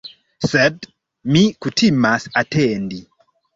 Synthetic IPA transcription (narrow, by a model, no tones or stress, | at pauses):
sɛd | mikutʰimasatɛndi